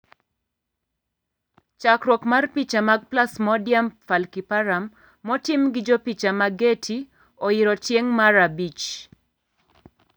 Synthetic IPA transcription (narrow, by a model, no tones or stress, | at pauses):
t͡ʃakɾwɔkmarpit͡ʃamaɡ̚plasmɔdjamfalkipaɾamː | ɔtɪmɡɪd͡ʒɔpit͡ʃamaɡetʰi | ɔɪɾɔtjeŋmaɾabit͡ʃ